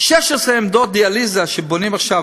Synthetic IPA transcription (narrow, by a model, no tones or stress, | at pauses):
ʃɛʃesʁeːmd̪od̪ializaʃebonimaχʃa